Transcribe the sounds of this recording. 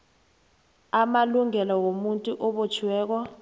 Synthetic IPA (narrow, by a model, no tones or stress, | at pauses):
amaluŋɛlɔwomuntʼuʔɔɓot͡ʃʰwɛːk̬ɔ